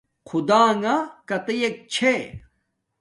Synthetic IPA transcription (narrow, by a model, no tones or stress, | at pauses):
kʰud̪aːŋakɐt̪ɐjek̚t͡ɕʰe